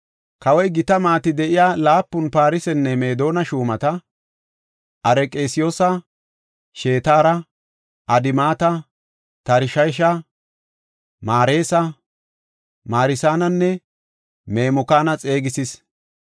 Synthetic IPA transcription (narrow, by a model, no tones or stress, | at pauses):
kɐwɔjɡɪt̪ɐmaːt̪ɪd̪ɛʔɪjaːlaːpːʊnpaːɾɪsɛnːɛme̞ːd̪o̞ːnɐʃuːmɐt̪ɐ | ʔɐɾɛkʼe̞ːsɪjoːsɐ | ʃe̞ːt̪aːɾɐ | ʔɐd̪ɪmaːt̪ɐ | t̪ɐɾɪʃɐjʃ̬ɐ | maːɾeːsɐ | maːɾɪsaːnɐnːɛ | me̞ːmʊkaːnɐt͡sʼe̞ːɡɪsɪs